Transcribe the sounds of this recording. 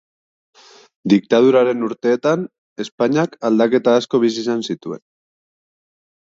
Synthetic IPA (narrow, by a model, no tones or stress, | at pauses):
d̪ik̚t̪að̞uɾaɾe̞nuɾt̪e̞ːt̪an | e̞spaɲakald̪ake̞t̪aːsko̞βis̬isansit̪ue̞̰n